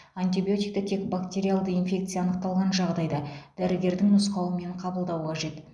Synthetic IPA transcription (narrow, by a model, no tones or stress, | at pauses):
ant̪ʲibijo̞t̪ʲijk̚t̪ɑt̪ʰe̞kbakt̪ʲe̞ɾialˠd̪əinfʲe̞kt̪sɨjaːnəq̚t̪ɑlˠʁɑnʒɑʁd̪ɑjd̪ɑd̪̥æɾɪɡʲe̞ɾd̪ɪŋnʊsqɑwəme̞ɴqʰɑbəlˠd̪ɑwəqʰɑʒe̞t̪